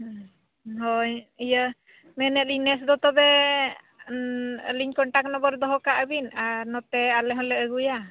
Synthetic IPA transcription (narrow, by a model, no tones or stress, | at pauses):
ɦɔɲijə | mɛnɛt̪̚linɛsd̪ɔt̪ɔbɛ | liɲkɔɳʈaknɔbɔɾd̪ɔɦɔkaʔəbinaɾnɔt̪ɛalɛɦɔlɛəɡuja